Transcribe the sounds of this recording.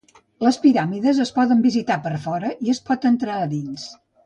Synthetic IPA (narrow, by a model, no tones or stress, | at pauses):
ləspiɾamiðəzəspɔðəmbizit̪apəɾfɔɾəʔiəspɔt̪ənt̪ɾaəðins